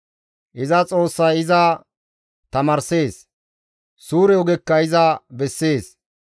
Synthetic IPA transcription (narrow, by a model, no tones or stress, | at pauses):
ʔɪzɐt͡sʼo̞ːsːɐjɪzɐ | t̪ɐmɐːɾse̞ːs | suːɾɛɔɡɛkːɐɪzɐbɛsːe̞ːs